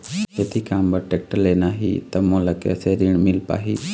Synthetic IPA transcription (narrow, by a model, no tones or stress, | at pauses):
et̪ʰikaːmbəɾʈek̚ʈəleːnaːɦḭt̪əmõːləkḛseɾiɳmɪlpa̰ːɦiː